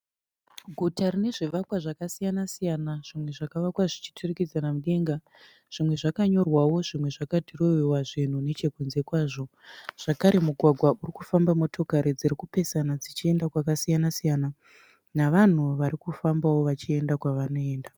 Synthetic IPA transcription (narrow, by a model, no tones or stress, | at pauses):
ɡʱutarine̞ʐiʋakwaʐakasijanasijanaʐ̥imwe̞ʐakaʋakwaʐit͡ʃi̥tʰurekid͡zanamuɗe̞ːŋɡa | ʐ̥imwe̞ʐakaɲo̞rwawo̞ʐimwe̞ʐakadʱiro̞jewaʐin̤une̞t͡ʃe̞kunze̞kwaːʐo̞ | ʐ̥akaɾe̞muɡʱwaɡʱwaʔurikufambamo̞tʰo̞kaɾid͡zirikupe̞sanad͡zit͡ʃie̞ndakwakasijanasijana | naʋan̤uʋaɾikufambawo̞ʋat͡ʃie̞ndakwaʋano̞e̞ːnda